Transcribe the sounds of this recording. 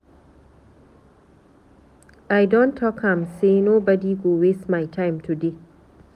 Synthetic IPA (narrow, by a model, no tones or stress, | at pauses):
ajdɔ̃ntʰːɔkãmsenobɐdiɡowesmajtʰãjmtʰude